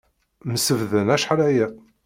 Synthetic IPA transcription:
məsəvðənæʃħɾæjæ

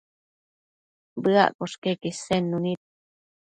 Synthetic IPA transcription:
bɨa̰ʔkoʂkekisenːunit̪̚

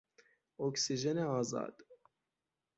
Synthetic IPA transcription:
oksiʒɛneɑːzɑ̰ːd̪̥

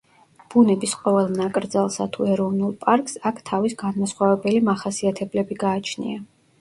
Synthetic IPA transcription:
b̥unɛbisqʼɔvɛlˠnakʼɾd̪zalˠsat̪ʰuɛɾɔvnulˠpʼaɾkʼsakʰt̪ʰavisɡanmasχwavɛbɛlimaχasiat̪ʰɛblɛbiɡaːt͡ʃʰnḭa

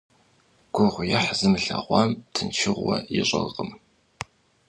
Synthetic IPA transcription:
ɡ̥ʷʊʁʷʊjɐħzɨmɨɬɐʁʷɑːmtʰɨnt͡ʃʰɪʁʷwɐjɪɕʼɐʁəm

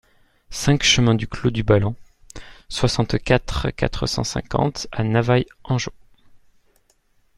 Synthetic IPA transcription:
sɛ̃kʃəmɛ̃d̪yklod̪ybalɔ̃ | swasɑ̃t̪kat̪χka̰t̪χəsɑ̰̃sɛ̰̃kɑ̰̃t̪anavajɑ̃ʒo

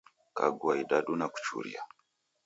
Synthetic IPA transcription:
ka̰ɡuaidaɗunaku̥t͡ʃṵɾḭa̰

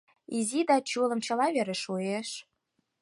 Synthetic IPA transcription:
izid̪ɑt͡ɕulə̆mt͡ɕɤ̆lɑβeɾeʃueʃ

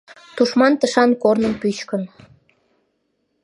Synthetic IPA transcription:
t̪uʃmɑnt̪əʃɑnkornəmpyt͡ɕkən

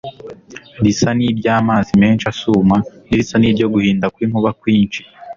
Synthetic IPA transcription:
ɾisanibɟaːmaːzime̞ːnʃasuːmanisaniːɾɟo̞ɡuhiːndakwiːŋ̥uβakwiːnʃi̥

